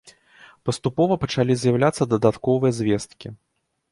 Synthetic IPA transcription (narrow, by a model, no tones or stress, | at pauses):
pɐst̪upɔvɐpɐt͡ʂalʲizʲjɐwlʲat̪sːɐd̪ɐd̪at̪kɔvɨjɐzʲvʲɛst̪kʲi